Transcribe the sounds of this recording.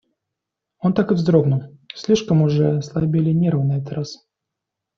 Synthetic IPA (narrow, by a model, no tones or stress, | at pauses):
ont̪akɨvzd̪ɾobnəsʲlʲiʂkəmʊʐɛslˠɐbʲɪlʲɪnʲeɾəvənɛt̪ət̪ɾas